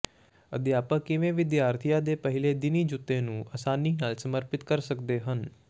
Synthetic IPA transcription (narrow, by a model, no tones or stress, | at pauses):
əd̪ɪjaːpãːkɪʋẽːʋɪd̪jaːɾt̪ʰijaːd̪eːpəɦɪleːd̪ɪniːd͡ʒʊt̪ːẽːnũːʔəsaːniːnaːlsəməɾpɪt̪kəɾsəkd̪eːɦən